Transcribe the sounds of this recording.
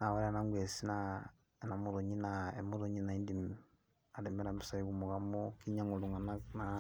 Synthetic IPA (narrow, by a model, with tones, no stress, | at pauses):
na˨βa˦ɾa˦˨na˦ŋɡwe˨si˦na˨ | ena˨mo˦ɾo˨ɲi˦nae˨mo˦ɾo˨ɲi˦na˨i˦ndi˨m | a˨ɾe˨me˦ɾa˨mi˦sa˦i˦βu˨mo˨ɣa˨mo˦ki˦ɲa˦ŋo˨lu˨ŋa˨na˦na˨